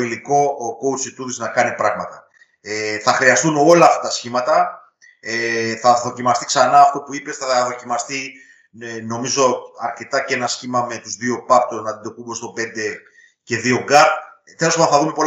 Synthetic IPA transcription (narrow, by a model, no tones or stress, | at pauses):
iliko̞kout͡sit̪uðiznɐkɐnipɾɐɣmɐt̪ɐ | eθɐxɾiɐst̪uno̞lɐːft̪ɐt̪ɐsçimɐt̪ɐ | eθɐðo̞cimɐst̪i̥ksɐnɐːft̪o̞puipe̞sθɐðo̞cimɐst̪i | no̞mizo̞ɐɾce̞t̪ɐce̞nɐsçimɐme̞t̪uzðio̞pɐpt̪oznɐt̪id̪o̞kume̞st̪o̞pe̞nd̪e̞ | ce̞ðio̞ɡɐp | θelosomɐθɐðume̞po̞l